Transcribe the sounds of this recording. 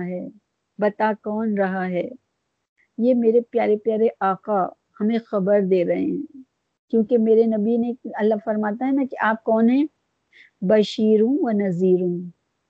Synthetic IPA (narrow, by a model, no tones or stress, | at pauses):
ɦɛː | bɐt̪akɔːnɾɐɦaɦɛː | jeːmeːɾepjaːɾepjaːɾeʔaːqa | hɐmẽxɐbəɾd̪eːɾɐɦḛɦɛ̃ | kjõːkemeːɾenɐbineɐlːafɐɾmaːt̪aɦɛnãkiʔaːp̚kɔːnɦɛ̃ | bɐʃiːɾũʋɐnɐziːɾũː